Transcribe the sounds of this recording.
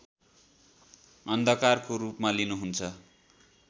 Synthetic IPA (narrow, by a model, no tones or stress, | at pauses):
ʌnd̪ʱʌkarkorupmalinuɦunt͡sʰʌ